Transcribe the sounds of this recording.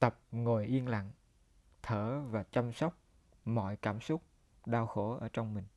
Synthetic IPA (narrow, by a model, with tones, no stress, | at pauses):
t̪ə˨˩p̚ŋo˨˩jʔi˧ənla̰˧˨ŋ | t̪ʰəː˧˩vaː˨˩t͡ɕa˧msɔ˦˥wk͡p̚ | mɔ̰˧˨jkaː˧˩msʊ˦˥k͡p̚ | ɗaː˧wxo˧˦ʔəː˧˩t͡ɕɔ˧wŋ͡mmï˨˩ŋ̟